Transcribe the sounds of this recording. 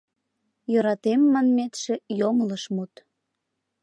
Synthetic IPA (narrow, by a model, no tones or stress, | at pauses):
jøɾɑt̪emːɑnmet̪ʃĕjomələʃmut̪